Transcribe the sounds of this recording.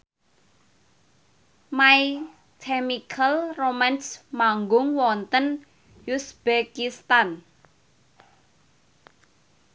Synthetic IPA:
maj | kʰɛmikʰalromansmaŋɡʊŋwɔnt̪ən | jusb̥ekist̪an

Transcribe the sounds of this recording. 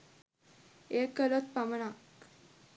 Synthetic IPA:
ekːəlot̪̚pamənak

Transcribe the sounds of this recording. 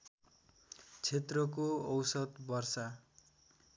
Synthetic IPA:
t͡sʰet̪rʌkoʌwsʌd̪bʌrsʌ

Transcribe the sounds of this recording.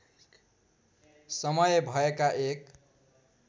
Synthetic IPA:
sʌmʌjbʱʌekaʔek

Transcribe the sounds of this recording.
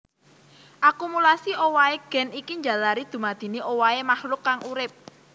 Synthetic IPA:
ʔakumulasiʔowaeɡ̥ɛ̤nikiɲd͡ʒa̤laɾid̪̥ṳmad̪̥i̤niʔowaemahlʊkːaŋuɾɪp̚

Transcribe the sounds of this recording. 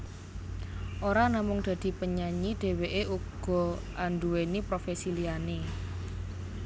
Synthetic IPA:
ʔoɾanamʊŋd̪̥a̤d̪̥i̤pəɲaɲid̪̥e̤weʔeʔuɡ̥ɔ̤ʔanduwenipɾofesiliane

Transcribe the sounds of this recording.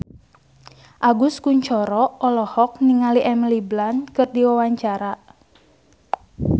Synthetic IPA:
ʔaɡʊskuɲt͡ʃɔɾɔɔlɔhɔk̚niŋaliʔɛmliblankɨrdiwawaɲt͡ʃaɾa

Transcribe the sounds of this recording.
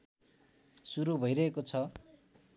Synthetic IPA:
suɾubʱʌjɾʌekot͡sʰʌ

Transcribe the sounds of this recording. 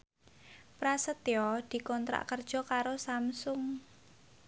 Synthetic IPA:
pɾasət̪eɔd̪̥i̤kɔnt̪ɾa̰ʔkərd̥ʒ̥ɔ̤kaɾosamsʊŋ

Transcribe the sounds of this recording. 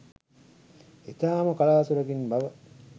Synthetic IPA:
et̪aːmukalaːsuɾɐɡinbaʋɐ

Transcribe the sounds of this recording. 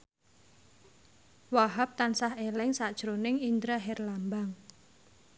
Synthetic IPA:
waɦap̚t̪ansahelɛŋsad̥ʒ̥ɾonɪŋind̪ɾaɦɛrlambaŋ

